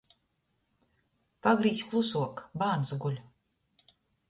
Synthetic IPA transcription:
paɡɾiːsʲklˠusuɔkbaːnsɡulʲ

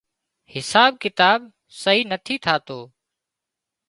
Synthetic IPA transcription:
hɪsaːb̚kɪt̪aːb̚ | səɦiːnət̪ʰiːt̪ʰaːt̪oː

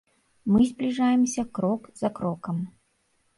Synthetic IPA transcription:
mɨzʲblʲiʐajɛmsʲɐkɾɔkzɐkɾɔkɐm

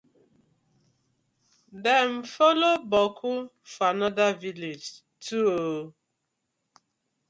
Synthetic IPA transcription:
dɛm̩folobɔkʰʊ | fanɔdaviled͡ʒ | tʰuo

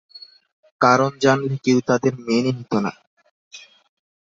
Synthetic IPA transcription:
kaɾond͡ʑanlekewt̪ad̪eɾmeniɦit̪ona̰

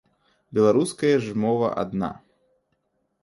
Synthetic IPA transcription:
bʲɛlˠaɾuskɐjɐʐmɔvɐ̰ʔa̰d̪na̰

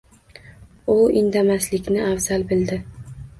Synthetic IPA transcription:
ʊɪnd̪amaslɪkʲnɪavz̥albɪld̪ɪ

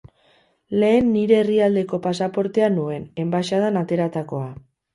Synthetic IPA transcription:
le̞ːnːiɾe̞ːriald̪e̞ko̞pasapo̞ɾt̪e̞anue̞ne̞mbaʃaðanat̪e̞ɾat̪ako̞a

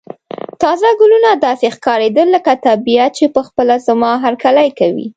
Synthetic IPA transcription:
t̪ɑzaɡʊlunad̪ɑsexkɑɾed̪əlːəkat̪abijat̪̚t͡ʃepəxpəlazamɑɦaɾkalajkawḭ

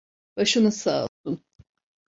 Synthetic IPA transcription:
b̥aʃɯnɯsaːt̪un

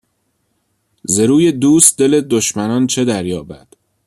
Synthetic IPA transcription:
zeɾuːjed̪uːst̪̚d̪e̞led̪oʃmænɒːnt͡ʃʰed̪æɾjɒːbæ̰d̪̥

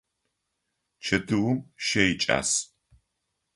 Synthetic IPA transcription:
t͡ʃʰɐdɨwʊmʃɐjit͡ʃʼa̰ːs

